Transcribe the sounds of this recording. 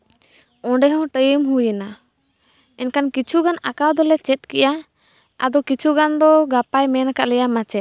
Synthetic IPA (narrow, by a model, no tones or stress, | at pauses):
ɔ̃ɖɛɦɔ̃ʈəjəmɦujəna | ɛnkankit͡ʃʰuɡanakawd̪ɔlɛt͡ʃɛt̪̚kɛʔa | a̰d̪ɔkit͡ʃʰuɡand̪ɔɡapajmɛnakaʔlɛjamat͡ʃɛt̪̚